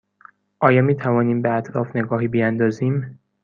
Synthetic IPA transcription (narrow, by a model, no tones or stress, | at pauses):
ʔɒːjɒːmiːt̪ʰævɒːniːmbeæt̪ʰɾɒːfne̞ɡɒːɦiːbiænd̪ɒːziːm